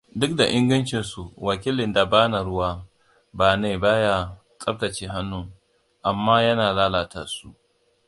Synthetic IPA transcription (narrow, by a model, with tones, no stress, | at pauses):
dʊ˦k̚da˨ʔɪ˦ŋɡɐ˦nt͡ʃɪ˨nsu˨wɐ˨kʲi˦lɪ˨nda˨baː˦na˨ɽʊ˦waː˦ | baː˨neː˦˨ba˦ja˦ | t͡sʼɐ˦rta˨t͡ʃeː˦ɦa˦nːu˦ | ʔa˨mːaː˦jɐ˦naː˨laː˦laː˨tʰa̰ː˨su˦ʔ